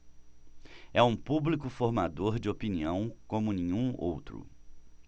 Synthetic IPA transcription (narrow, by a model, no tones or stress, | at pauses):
ɛũpublikʊfoɾmad̪oɾd͡ʒɪopiniɐ̃w̃kõmʊnĩɲũo̰wt̪ɾʊ̰